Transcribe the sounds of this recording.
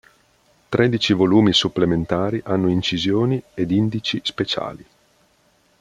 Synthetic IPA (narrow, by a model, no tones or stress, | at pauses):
t̪ɾʔed̪it͡ʃivoluːmisupːlement̪aːɾiʔanːoint͡ʃizjoːnied̪ind̪it͡ʃispet͡ʃa̰ːli